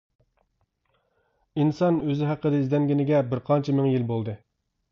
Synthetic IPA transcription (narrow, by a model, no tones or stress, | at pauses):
insɑnøzɪɦæqʰːəd̪ɨizd̪ɛnɡʲinɪɡʲɛbɪɾqʰɑnt͡ʃʰɛmɪŋjilbolˠd̪ɨ